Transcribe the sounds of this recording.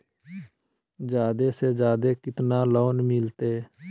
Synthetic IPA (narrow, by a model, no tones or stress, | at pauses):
d͡ʒjaːd̪esed͡ʒjaːd̪ekɪt̪nalɔːnmɪlt̪eː